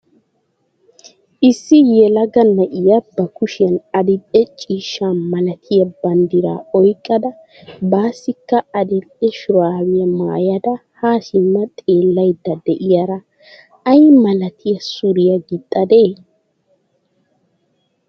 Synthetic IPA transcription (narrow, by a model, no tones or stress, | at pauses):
ʔɪsːɪjɛlɐɡɐnːɐʔɪjɐbɐkʊʃɪjɐnɐd̪ɪtʼːɛt͡ʃʼiːʃːanmɐlɐt̪ʰɪjɐbɐnd̪ɪɾa̰ːɔjkʼːɐd̪ɐ | baːsːɪkːɐɐd̪ɪtʼːɛʃʊɾaːwɪjɐma̰ːjɐd̪ɐhaːsɪmːɐt̪ʼe̞ːlːɐjd̪ːɐd̪ɛʔɪjɐɾɐ | ɐjmɐlɐt̪ʰɪjɐsʊɾɪjɐɡɪt̪ʼːɐd̪eː